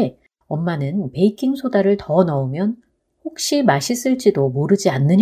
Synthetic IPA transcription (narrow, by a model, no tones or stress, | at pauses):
ʌmːanɯnpe̞ikʰiŋsʰodaɾɯɭtʌnʌumjʌn | ɸok̚ɕ͈imaɕʰis͈ɯɭt͡ɕ͈idomoɾɯd͡ʑianːɯɲ